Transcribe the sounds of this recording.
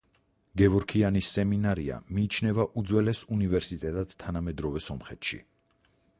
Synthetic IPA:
ɡɛvɔɾkʰianisːɛminaɾia̰miːt͡ʃʰnɛvaʔud̪zwɛlɛsunivɛɾsit̪ʼɛt̪ʼad̪̥t̪ʰːanamɛd̪ɾɔvɛsɔmχɛt̪ʃḭ

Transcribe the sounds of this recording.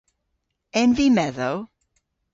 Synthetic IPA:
ɛ̃nvimɛðoʊ

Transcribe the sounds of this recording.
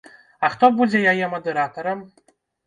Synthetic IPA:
aχt̪obuzʲejajɛmɐd̪eɾat̪oɾəm

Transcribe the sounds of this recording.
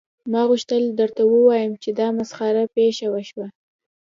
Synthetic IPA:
mɑɣuʃt̪əld̪əɾt̪awəwɑjəmt͡ʃed̪ɑmasxɑɾapeʃawaʃwa

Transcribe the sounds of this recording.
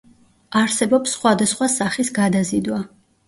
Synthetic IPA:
aɾsɛbɔpsːχwad̪asχwasaχisɡad̪azid̪wa

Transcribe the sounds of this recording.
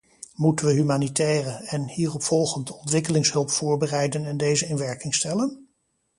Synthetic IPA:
mutənʋəɦymaːnitɛːrəɛnhiːrɔpfɔlˠχəntɔntʋɪkəlɪŋsɦɵlˠpfʊːɹbərɛjdənɛndejzəɪnʋɛɹkɪŋstɛlən

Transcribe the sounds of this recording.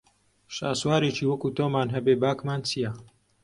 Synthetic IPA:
ʃaːswaːɾet͡ʃiːwɐkuːt̪oːmaːnɦɐbeːbaːkmaːnt͡sʰijɐ

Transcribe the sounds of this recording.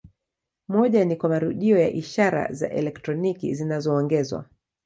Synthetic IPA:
mɔʄanikwamaɾuɗiɔjaʔiʃaɾa̰za̰ʔɛlɛk̚tɾɔnikḭzinazɔːŋɡɛzwa̰

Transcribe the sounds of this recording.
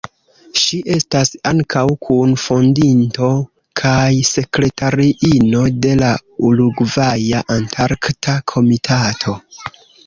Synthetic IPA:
ʃiʔe̞stasaŋkʰawkʰunfo̞ndinto̞ | kʰajse̞kɾe̞tʰaɾiʔino̞de̞lauluɡvajaʔantʰaɾktʰakʰo̞mitʰatʰo̞

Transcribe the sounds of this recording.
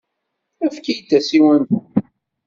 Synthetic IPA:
æfkijt͡s̪ːæsiwənt̪

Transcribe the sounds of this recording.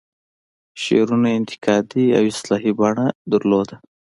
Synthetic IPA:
ʃḛɾunaɪnt̪ɪ̥kɑd̪ia̰wɪslɑɦibɑɳad̪aɾlod̪a

